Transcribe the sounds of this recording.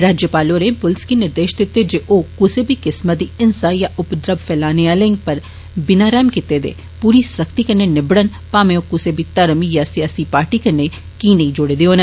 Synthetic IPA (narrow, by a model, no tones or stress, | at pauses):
ɾaːd͡ʒjəpaːloɾẽːpʊlɪskinɪɾd̪eːʃd̪ɪt̪ːed͡ʒeʔoːkʊsebʱikɪsmət̪̚d̪iɪnsaːjaʔʊpd̪ɾəbfʰɛːlaːneaːlẽŋɡ̚pəɾ | bɪnaːɾɛːmkɪt̪ed̪ḛː | puːɾisəkt̪ikənːenɪbɽən | paːmẽokʊsebʱit̪əɾəmijasijaːsipaːɾʈikɐnːe | kiːnɐĩd͡ʒoːɽeːd̪eoːne